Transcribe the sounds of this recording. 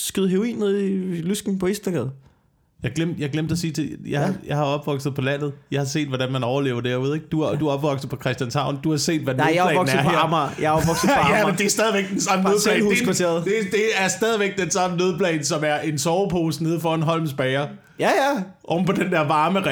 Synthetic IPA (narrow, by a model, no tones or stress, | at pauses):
sɡ̥ið̩ˠɦeʁoḭːnneðˠilysɡ̥ŋ̩pʰɒ̽esd̥ɐɡ̥ɛðˠ | jɑ̈ɡ̥lem̰d̥jɑ̈ɡlem̰d̥ɐsiːt͡sʰe̝jɑ̈jɑ̈ɪhɑ̈ɒ̽b̥ʋɒ̽ɡ̥sð̞̩ˠpʰɒ̽læn̰ð̩ˠjɑ̈ɪhɑ̈se̝̰ːd̥ʋɒd̥ænmænɒʊɐle̝ːʊɐd̥e̝ɐuð̞̰ˠeɡ̥d̥ud̥uɒ̽b̥ʋɒ̽ɡ̥sð̩ˠpʰɒ̽kʰʁɛsd̥jænsʰɑ̈ʊ̰nd̥uhɑ̈se̝̰ːd̥ʋænɪjɛ̰ɒɡn̩s̩ɐɦæɐ̰mɐjaɒb̥ʋɒɡ̥s̩ˠjæmend̥e̝æsd̥ɛːðˠiʋeɡ̥̚d̥ensɑ̈mənøðˠlɛ̰ht͡sʰe̝̰ɐð̩ˠd̥e̝d̥e̝æɐsd̥ɛːð̞ˠiʋeɡ̥̚d̥ensɑ̈mənøð̞ˠpʰlɛːnsɒ̽mæɐʔe̝nsɒːʊpʰo̝ːsne̝ð̞̰ˠfɒːenɦɒ̽l̰ms̬b̥ɛɪɐ | jæjæʔɒm̩pʰɒ̽d̥end̥eɐʋɑ̈ːməʁɛ